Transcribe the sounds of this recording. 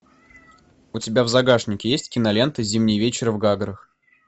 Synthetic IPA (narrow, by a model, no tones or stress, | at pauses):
ʊtʲɪbʲavzɐɡaʂnʲɪkʲɪjesʲtʲkʲɪnɐlʲe̞nt̪əzʲimnʲɪjvʲet͡ɕɪɾəvɡaɡɾəx